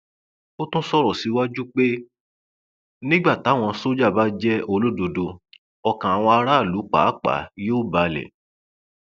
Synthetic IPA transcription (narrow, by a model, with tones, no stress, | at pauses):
o˦tũ˦sɔ˦ɾɔ˨si˨˦wa˦d͡ʒu˦k͡pe˦ | nĩ˦ɡ͡ba˦˨ta˨˦w̃ɔ̃˧so˦d͡ʒa˦˨ba˦d͡ʒɛ˦o˧lo˦˨do˧do˧ | ɔ˧kã˨a˧w̃ɔ̃˧a˧ɾa˦˨lu˨˦k͡pa̰˨˦k͡pa̰˨˦jo˦˨ba˨lɛ̰˨